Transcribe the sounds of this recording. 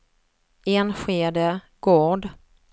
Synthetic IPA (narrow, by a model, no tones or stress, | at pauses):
eːnɧeːd̪ə | ɡ̥oːɖ